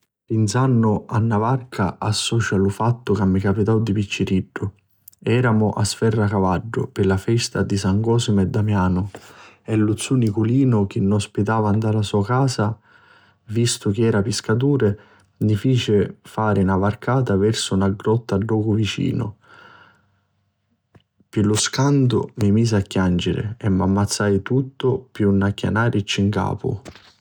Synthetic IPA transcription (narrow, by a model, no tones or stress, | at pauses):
pinsanːʊanːavarkʰa̰asːɔːt͡ʃalʊfat̪ːʊkamːikapit̪awd̪ipit͡ʃːiɾiɖːʊ | ɛːɾamʊʔasfɛrːakavaɖːʊ̰pɪlafɛst̪ad̪isaŋɡɔːsɪmɛd̪ːamjaːnʊ | ɛlːut̪sːunikuliːnʊk̟ɪnːɔspit̪aːvand̪alasuːakaːsa | vist̪ʊk̟iɛːɾapɪskat̪̬uːɾɪ | mifiːt͡ʃɪfaːɾɪnavarkaːt̪avɛrsʊnaɡɾɔt̪ːadːɔːkʊvit͡ʃḭːnʊ̰ | pɪlʊskant̪ʊ̰mimiːs̬akːjand͡ʒɪɾɪ̰ɛmːamːat̪sːajt̪ut̪ːʊpjunːakːja̰naːɾʔɪt͡ʃːiŋka̰ːpʊ̰